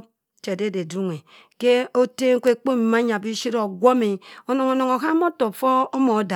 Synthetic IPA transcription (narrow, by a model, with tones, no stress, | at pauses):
t͡ʃe˨de˦˨de˨du˦ŋe˨ | ke˦o˦te˦ŋ̩˦kʷe˦k͡po˦m̩˨ma˦ɲa˨bi˦ʃi˦ɾo˨ɡʷo˦me˨o˨no˨ŋo˨no˨ŋo˨ka˦mo˦to˨fo˦o˦mo˨˦da˨